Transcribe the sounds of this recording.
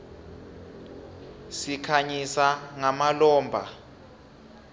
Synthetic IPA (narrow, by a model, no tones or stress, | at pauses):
sikʰaɲisaŋamalɔːmbʱa